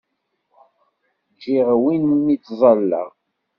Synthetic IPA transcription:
d͡ʒiʁwinmːit͡sːzˤɑlːə̰ʁ

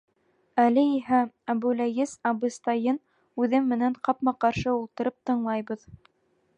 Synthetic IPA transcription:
ælɘiɦæ | æbʉlæɡɘzɑbɤ̆st̪ɑjɤn | ʉðɘmːɘ̆næɴqɑpmɑqɑɾʃɤulˠt̪ɤ̆ɾɤp̚t̪ɤ̆ɴlˠɑjβɤð

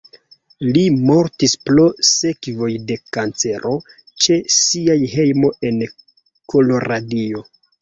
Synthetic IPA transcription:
limo̞ɾtisplose̞kvo̞jde̞kant͡se̞ɾʔo̞ | t͡ʃe̞siajɦe̞jmo̞e̞n | kʰo̞lo̞ɾadio̞

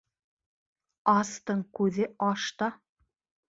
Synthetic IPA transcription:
ɑst̪ɤɴkʉðɘʔɑʃt̪ɑ

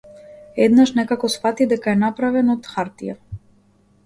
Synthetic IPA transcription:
ɛd̪naʃnɛkakɔsfat̪id̪ɛkaɛnapɾavɛnɔt̪xaɾt̪ija̰

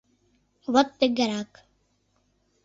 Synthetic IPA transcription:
ʋɐk̚t̪eɡɐɾaːk

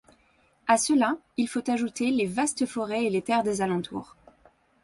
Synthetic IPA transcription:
asəla | ilfot̪aʒut̪elevast̪əfɔʁɛelet̪ɛʁd̪ezalɑ̃t̪ʰṵːʁ

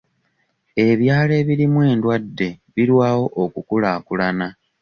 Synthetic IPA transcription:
e̞βjaːle̞βiɾimwe̞ːndwadːe̞βiɾwaːwo̞ʔokukulaːkulana

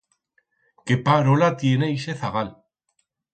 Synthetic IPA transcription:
kepaɾolat̪je̞ne̞ise̞θaɣal

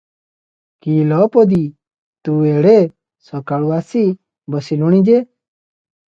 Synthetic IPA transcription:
kiːlɔːpod̪iː | t̪uːeːɽe | sɔkaːɭuaːsi | bəsiluɽ̃ĩd͡ʒeː

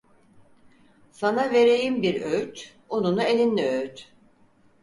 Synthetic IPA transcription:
sanave̞ɾe̞jimbiɾøjt̪ | onunuelʲinlʲiøjt̪

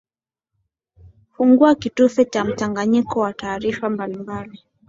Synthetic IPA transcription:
fuŋɡuakitufɛt͡ʃam̩taŋɡaɲikɔwataːɾifambalimbali

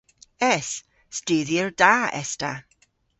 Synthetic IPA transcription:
ɛs | stɪːðjərd̥aːɛ̰sta

